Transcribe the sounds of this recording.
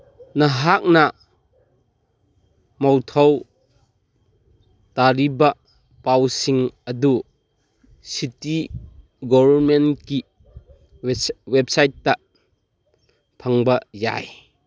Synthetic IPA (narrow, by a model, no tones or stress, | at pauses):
nɐɦak̚nɐ | mɔwtʰɔw | taɾibɐ | pawsiŋɐdu | siti | ɡɔbɐɾmenki | wep̚sajtːɐ | pʰɐŋbɐja̰j